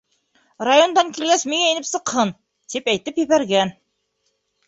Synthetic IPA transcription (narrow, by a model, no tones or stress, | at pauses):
rajo̞nd̪ɑŋkilɡæsmiŋæɘ̆nɘpsɤ̆qhɤn | t̪ipæjt̪ɘpjɘ̆βæɾɡæn